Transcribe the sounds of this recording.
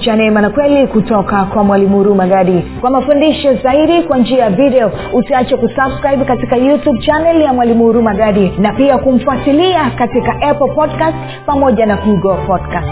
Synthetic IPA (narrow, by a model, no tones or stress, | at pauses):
t͡ʃanɛmanakwɛlikutɔkakwamwalimuɾumaɡaɗikwamafundiʃɔzaiɗikwand͡ʒiajavidɛɔ | utiat͡ʃakusabskɾaibkatikajutub̚t͡ʃanɛljamwalimuɾumaɡaɗinapiakum̩fuatiliakatikaʔɛpl̩pɔdkast | pamɔʄanakuɡɔpɔdkast